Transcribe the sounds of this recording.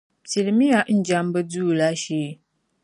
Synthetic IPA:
sɪ˨lmi˦ja˨ʔn̩˦d͡ʒa˦mbə˦duː˦˨la˦ʃeː˦˨

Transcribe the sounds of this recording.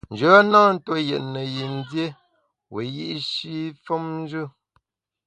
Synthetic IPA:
n̩˨d͡ʒə˨˦a˦na˦n̩˦two˦jɛ̰˨ʔnə˨ji˨n˦dje˦ | wʔe˨ji˦ʔʃi˦fɔ˦mn˦d͡ʒɨ˦

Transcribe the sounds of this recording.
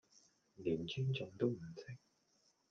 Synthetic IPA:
liː˨˩nt͡ʃʰyː˥ŋt͡sʊ˨˧˩ŋt̪o˥wm̩˨˩sʰɪ˥k̚

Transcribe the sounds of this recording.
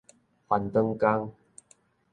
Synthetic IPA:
hwa˨˩nt̪ə˧ŋka˦˧ŋ

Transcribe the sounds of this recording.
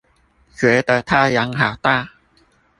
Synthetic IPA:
t͡ɕɥɛ˨˧˥d̪ə˧t̪ʰa˥ja˨˥ŋɦa˨˩ʊwt̪a˥˧˨

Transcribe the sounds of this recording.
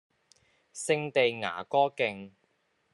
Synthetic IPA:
sɪ˧ŋt̪e˨jŋa̰ː˨˩kɔː˥kɪ˧ŋ

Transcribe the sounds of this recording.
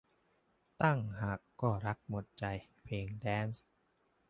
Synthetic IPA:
t̪a˥˩ŋhaː˨˩kːɔː˥˩ɾa˦˥k̚mo˨˩t̪̚t͡ɕa˧jpʰeː˧ŋdɛː˦˥ns

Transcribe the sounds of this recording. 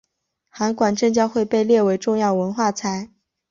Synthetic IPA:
xa˧˥nkwa˨˩nʈ͡ʂɤ˥˩ŋt͡ɕjɑ˥xwe˥˧ɪpe˥˧ɪljɛ˥˩we˧˥ɪʈ͡ʂʊ˥˧ŋjɑ˥˩ʊwə˧˥nxwa˥˩t͡sʰa˧˥ɪ

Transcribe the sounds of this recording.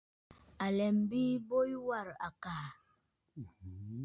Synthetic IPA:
a˨lɛ˨mbi˦bo˦jwa˦˨ɾa̰˨kaː˨

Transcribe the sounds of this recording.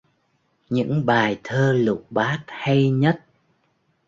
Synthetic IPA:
ɲɨ̰˧˥ŋɓaː˨˩jt̪ʰəː˧lʊ˨˩k͡p̚ɓaː˦˥t̚ha˧jɲə˦˥t̚

